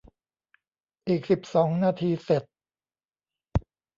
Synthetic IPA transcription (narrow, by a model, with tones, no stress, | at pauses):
ʔiː˨˩k̚si˨˩p̚sɔː˩˦ŋnaː˧t̪ʰiː˧se˨˩t̪̚